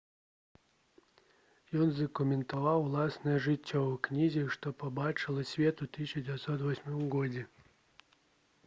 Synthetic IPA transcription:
jɔnzɐkʊmʲɪnt̪ɐvawlˠasnɐjɐʐɨtʲːɔknʲizʲiʂt̪ɔpɐbat͡ʂɨlˠɐsʲvʲɛt̪ut̪ɨsʲɕɐd͡zʲɪvʲɛt̪sɔt̪vɔsʲmɔmɡɔd͡zʲɛ

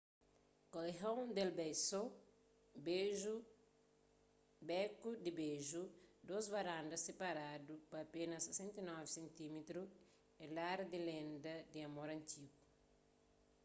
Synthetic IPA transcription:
koleɦawnd̪elbɛjso | b | bɛkud̪ibeʒud̪ozvɐɾãnd̪ɐsepaɾadupɐːpenɐsesẽnt̪ɐnɔvisẽnt̪imet̪ɾu | elaɾd̪ilẽnd̪ɐd̪iɐmoɾɐ̃nt̪iɡu

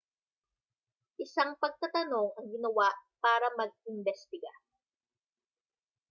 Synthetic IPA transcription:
ʔɪsaŋpɐɡ̚t̪ɐt̪ɐno̞ŋɐŋɡɪnɐwaʔpaːɾɐmɐɡ̚ɪnbɛst̪ɪɡa

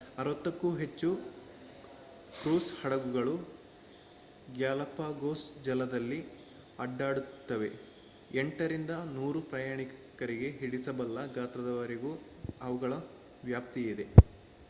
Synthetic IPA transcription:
ɐɾʋɐt̪ːɐkːuːɦe̞t͡ʃːu | kɾuːshɐɽɐɡuɡɐɭu | ɡjaːlɐpaːɡoːsd͡ʒɐlɐd̪ɐlːi | ɐɖːaːɽut̪ːɐʋe̞̰ | eɳʈɐɾind̪ɐnuːɾupɾɐjaːɳikkɐɾiɡe̞ɦiɽisɐbɐlːɐɡaːt̪ɾɐd̪ɐʋɐɾiɡu | ɐʋuɡɐɭɐ | ʋjaːp̚t̪ijid̪e̞

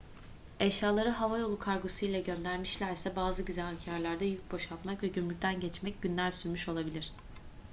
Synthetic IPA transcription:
ɛʃjaːlˠaɾɯɦavajo̞lˠukʰaɾɡosujlʲˠɛɟø̞nd̪æɾmiʃlʲæɾsɛbaːzɯɟyzælhacʰaɾlʲˠaɾd̪ajyc̚bo̞ʃalˠt̪makvɛɟymylʲt̪ʰænɟɛt͡ʃmɛc̚ɟynlʲæɾsyɾmyʃo̞lˠabilʲiɾ̝̥

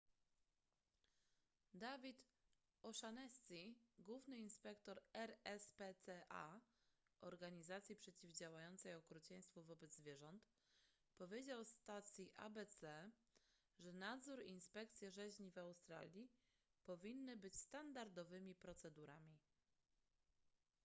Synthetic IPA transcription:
d̪avʲit̪ | ɔʂanɛsʲt̪ʲiɡwuvnɘinspɛkt̪ɔɾɛɾɛspɛɛʔa̰ | ʔɔɾɡaɲizat̪sʲjipʂɛt͡ɕivd͡ʑawajɔnt̪sɛjɔkɾut͡ɕɛj̃st̪fuvɔbɛd̪zvʲjɛʐɔnt̪ | pɔvʲjed͡ʑawst̪at̪sʲjiʔa̰bɛt̪sɛ | ʐɛnad̪zuɾinspɛkt̪sʲjɛʐɛʑɲivawst̪ɾa̰lʲji | pɔvʲinːɘbɘt͡ɕst̪and̪aɾd̪ɔvɘmʲipɾɔt̪sɛd̪uɾamʲi

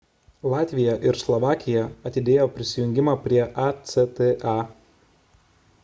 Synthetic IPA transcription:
lˠɑːt̪ʲʋʲɪjɛʔɪɾslˠɔʋɑːkʲɪjɛɐt̪ʲɪd̪ʲeːjoːpʲɾʲɪsʲɪjʊŋʲɡʲɪmɑːpʲɾʲiɛʔɑt̪sʲɛt̪eɑ

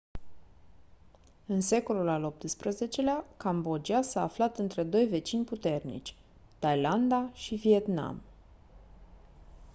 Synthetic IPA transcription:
ɨnse̞ko̞lulalop̚t̪ɨspɾəze̞t͡ʃe̞leakambo̞d͡ʒiasaːflat̪ɨnt̪ɾe̞d̪o̞jve̞t͡ʃinʲput̪e̞rnḭt͡ʃʲ | t̪ajland̪aʃivie̞t̪na̰m

